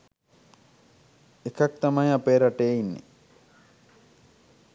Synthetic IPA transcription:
ekak̚t̪amajapeːɾaʈeːinːḛ

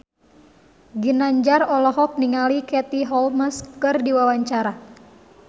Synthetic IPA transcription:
ɡinaɲd͡ʒarɔlɔɦɔk̚niŋalikɛt̪iɦɔlməskɨrdiwawaɲt͡ʃaɾa

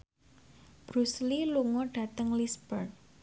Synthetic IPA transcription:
b̥ɾusliluŋɔɖ̥ä̤t̪əŋlisbərn

